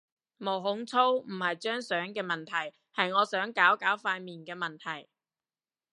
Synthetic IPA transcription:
mo˨˩wɦʊ˨˥ŋt͡sʰo˥wm̩˨˩hɐ˨jt͡ʃœː˥ŋsœː˨˥ŋkɛː˧mɐ˨nt̪ʰɐ˨˩j | hɐ˨jŋɔː˨˧sœː˨˥ŋkaː˨˥wkaː˨˥wfaː˧jmiː˨nkɛː˧mɐ˨nt̪ʰɐ˨˩j

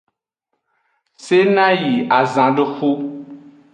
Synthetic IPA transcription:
se˦nã˦ji˨a˨zã˨ɖe˦xu˦

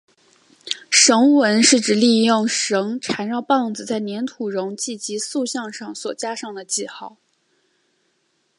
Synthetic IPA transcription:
ʂɤ˧˥ŋwə˧˥nʂɻ̩˥˩ʈ͡ʂɻ̩˨˩li˥˧jʊ˥˩ŋʂɤ˧˥ŋʈ͡ʂʰa˧˥nɻɑ˥˧ʊpɑ˥˩ŋd͡zɹ̩˨˩t͡sa˥˩ɪnjɛ˧˥nt̪ʰu˨˩ɻʊ˧˥ŋt͡ɕi˥˩t͡ɕi˧˥su˥˧ɕjɑ˥˧ŋʂɑ˥˩ŋswɔ˨˩t͡ɕja˥ʂɑ˥˩ŋd̪ə˩t͡ɕi˥˧xɑ˥˩ʊ

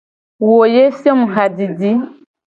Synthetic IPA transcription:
wo˨je˦fi˦ɔ˦mũ˨ɣa˨di˨di˦

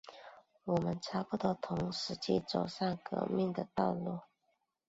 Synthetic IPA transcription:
wɔ˨˩mə˦nʈ͡ʂʰa˧˥pu˥˩t̪o˧˥t̪ʰʊ˧˥ŋʂɻ̩˧˥t͡ɕḭ˥˩t͡so˨˩ʊʂa˥˩ŋkɤ̰˧˥mi˥˩ŋd̪ə˨t̪ɑ˥˧ʊlu˥˩

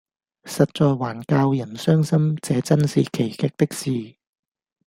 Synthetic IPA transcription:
sɐ˨t̚t͡ʃɔː˨˧jwaː˨˩nkaː˧wjɐ˨˩nsœː˥ŋsɐ˥mt͡sɛː˨˧t͡sɐ˥nsiː˨kʰe˨˩jkɪ˧k̚t̪ɪ˥k̚siː˨˧

